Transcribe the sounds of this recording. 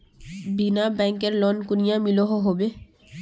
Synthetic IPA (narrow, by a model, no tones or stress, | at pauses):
binabɛŋkeɾlɔnkunijamiloɦoɦobe